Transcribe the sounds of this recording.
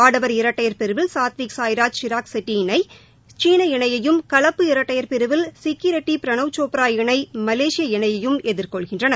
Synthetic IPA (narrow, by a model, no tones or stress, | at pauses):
aːɽɐʋɐɾɪɾɐʈːɐjɐɾpɪɾɯʋɪlsaːt̪ʋiːksaːjɪɾaːd͡ʒʃɪɾaːksɛʈːinɐɪ | t͡ʃiːnɐɪɳɐjɐjɯmkɐɭɐpːɯɪɾɐʈːɐjɐɾpɪɾɯʋɪlsɪkːjɪɾɐʈːipɪɾɐɳɐʋt͡ʃoːpɾaːjɪɳɐɪmɐleːʂɪjɐɪɳɐjɐjɯmɛðɪɾkɔɭɣɪndrɐnɐ